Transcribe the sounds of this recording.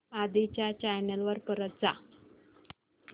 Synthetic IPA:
ad̪it͡ɕjat͡ɕajnəlʋəɾpəɾət̪̚d͡za

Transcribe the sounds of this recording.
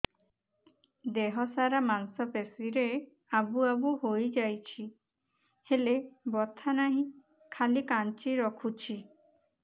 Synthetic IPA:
d̪eɦɔsaɾamansɔpesiɾe | abuabuhojd͡ʒajt͡ʃʰi | helebɔt̪ʰanaɦĩ | kʰalikant͡ʃiɾɔkʰut͡ʃʰi

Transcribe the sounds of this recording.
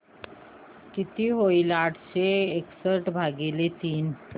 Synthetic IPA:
kit̪iɦoilaʈʰɕeːksəɾʈbʱaɡelet̪iːn

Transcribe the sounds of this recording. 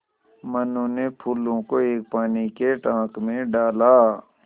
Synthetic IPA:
mənõnepʰuːlõkoeːk̚paːnikeʈãːkmẽɖaːlaː

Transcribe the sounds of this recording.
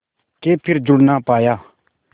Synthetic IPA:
kepʰerd͡ʑurnapaja

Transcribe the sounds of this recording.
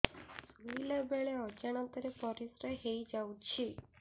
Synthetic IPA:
suilabeɭeɔd͡ʒaɽ̃ant̪əɾepɔɾisɾəɦejd͡ʒaut͡ʃʰi

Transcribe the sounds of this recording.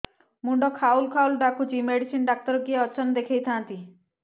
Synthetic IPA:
muɳɖɔkʰaulkʰaulɖakʰud͡ʒimeɽisinɖak̚t̪ɔɾɔkieɔt͡ʃʰɔnd̪ekʰejt̪ʰãnt̪i

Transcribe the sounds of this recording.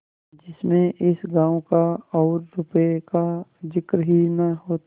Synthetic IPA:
d͡ʒɪsmẽʔɪsɡãːõkaɔːɾːʊpekad͡ʒɪkɾɦinɐɦoːt̪

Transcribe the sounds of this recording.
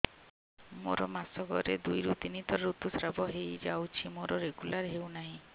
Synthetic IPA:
moɾɔmasɔɡɔɾed̪ujɾut̪init̪ɔɾut̪usɾabɔɦejd͡ʒawt͡ʃʰimoɾɔɾeɡulaɾɦewnaɦĩ

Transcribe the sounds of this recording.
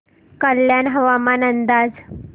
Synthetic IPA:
kəljanɦəʋamanənd̪ad͡z

